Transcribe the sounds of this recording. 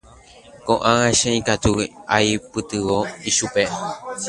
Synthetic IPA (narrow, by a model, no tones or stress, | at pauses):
kõʔããʃẽĩkat̪uajpɨt̪ɨʋoiʃupe̞